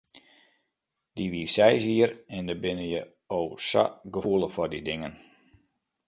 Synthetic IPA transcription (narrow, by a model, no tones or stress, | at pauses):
d̥iʋirsɛjziərɛndəbɪnəjə | oːsa̰ɡəfuəlˠəfɔrdidɪŋən